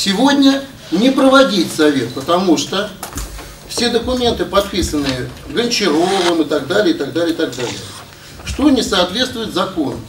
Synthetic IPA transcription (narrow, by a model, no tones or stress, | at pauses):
sʲɪvo̞dʲnʲə | nʲɪpɾəvɐdʲitʲsɐvʲe̞t̪̚pət̪ɐmuʂt̪o | fsʲe̞d̪əkʊmʲe̞nt̪ɨpɐt̪̚pʲisənːɨjəɡənʲt͡ɕɪɾovəmɨt̪ɐɡd̪alʲɪəɪt̪ɐɡd̪alɪəɪt̪ɐɡ̚d̪alʲɪ̰j̰ə | ʂt̪o̞nʲɪsɐːt̪vʲet̪st̪vʊɪt̪zɐko̞n